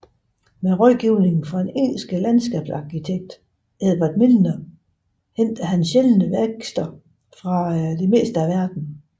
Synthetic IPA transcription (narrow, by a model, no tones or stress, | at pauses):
meʁɒɡ̥iʊne̝ŋn̩fɒ̥̽ene̝̰ːnl̩sɡ̥əlænsɡ̥ɛ̰ːb̥sɑ̈kʰit͡sʰeɡ̥̚d̥ | eðˠb̥æd̥melnɐ | hen̰d̥æɦænsɕelənəʋeɡ̥sd̥ɐ | fʁɑ̈d̥e̝me̝̰ːsd̥əæʋæɐd̥n̩